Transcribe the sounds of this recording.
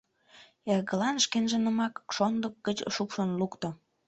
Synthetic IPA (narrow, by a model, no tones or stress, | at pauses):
erɣəlɑnʃkenʒə̆nəmɑkʃond̪ək̚ɡət͡ɕʃukʃonlukt̪ŏ